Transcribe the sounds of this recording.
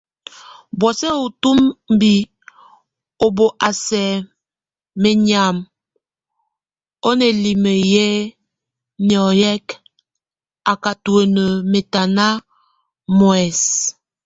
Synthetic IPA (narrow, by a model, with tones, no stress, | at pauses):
bwɔ˨sɛ˦o˨tu˦mm˦bi˨ | o˨bo˨ʔa˨sɛ˨ | me˨ɲa˨m | o˦ne˨li˨mə˨jɛ˦ | njɔ˨jɛ˦k | a˨ka˨tu˨e˨nə˨me˨ta˨na˦ | mɔ˨ɛ˨s